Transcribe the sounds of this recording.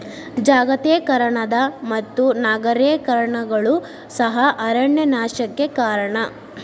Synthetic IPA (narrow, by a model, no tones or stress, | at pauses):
d͡ʒaːɡɐt̪eːkɐɾɐɳɐd̪ɐmɐt̪ːunaːɡɐɾeːkɐɾɐɳɐɡɐɭu | sɐɦɐʔɐɾɐɳːenaːʃɐkːekaːɾɐɳɐ